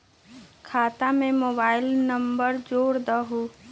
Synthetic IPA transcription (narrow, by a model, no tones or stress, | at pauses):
kʰaːt̪amẽmoːbaːɪlnəmbəɾd͡ʒoːɽd̪əɦu